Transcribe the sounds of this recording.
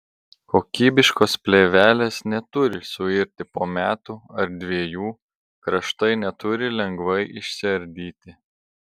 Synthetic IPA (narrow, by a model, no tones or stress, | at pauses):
koːkʲiːbʲɪʃkoːspʲlʲeːʋʲæːlʲeːsnʲɛt̪ʊɾʲɪsʊɪɾʲt̪ʲɪpoːmʲæːt̪uɐɾd̪ʲʋʲiɛjuː | kɾɐʃt̪ɐɪnʲɛt̪ʊɾʲɪlʲɛŋɡʋɐɪʔɪʃʲsʲɪɐɾʲd̪ʲiːt̪ʲɪ